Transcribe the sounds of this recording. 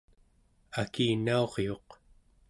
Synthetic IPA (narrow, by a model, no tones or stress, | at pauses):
akiːnao̞ʁjo̞q